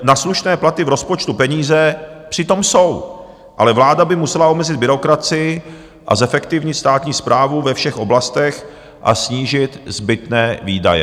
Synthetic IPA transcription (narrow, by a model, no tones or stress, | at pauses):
nasluʃnɛːplat̪ɪvɾo̞spot͡ʃt̪upɛɲiːzɛpr̥ɪt̪o̞mso̞w | ʔalɛvlaːdabɪmusɛlaʔo̞mɛzɪd̪bɪɾo̞kɾat͡sɪjɪ | ʔa̰zɛfɛkt̪ɪvɲɪt̪st̪aːt̪ɲiːspɾʔaːvuvɛfʃɛxʔo̞blast̪ɛx | ʔa̰sɲiːʒɪt̪zbɪt̪nɛːviːda̰jɛ̰